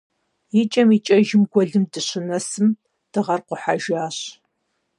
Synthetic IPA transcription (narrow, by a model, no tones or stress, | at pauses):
jɪt͡ʃʼɐmit͡ʃʼɐʒɪmɡʷɔɮɨmdɨɕɪnɐsɨm | d̥ɨʁɐrqʷʊħaʒaːɕ